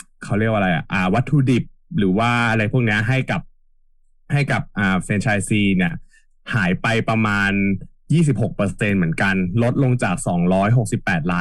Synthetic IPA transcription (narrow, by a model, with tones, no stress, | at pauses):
kʰa˦˥wɾi˥˩ək̚ʔa˧ɾa˧jʔa̰˨˩ʔaː˨˧˩wa˦˥t̪ʰːuː˧di˨˩p̚ɾɯː˩˦waː˥˩ʔa˧ɾa˧jpʰu˥˩əkni˦˥ɐɦa˥˩jka˨˩p̚ | ha˥˩jka˨˩p̚ʔaː˨˩sɛː˧nt͡ɕʰaː˧jsiː˧ni˥˩ɐ | haː˩˦jpa˧jpɾa˧maː˧njiː˥˩s̬i˨˩p̚ho˨˩k̚pɤː˧se˧nmɯ˩˦ənka˧nlo˦˥t̪̚lo˧ŋt͡ɕaː˨˩k̚sɔː˩˦ŋɾɔː˦˥jɦo˨˩k̚si˨˩pːɛː˨˩t̪̚laː˦˥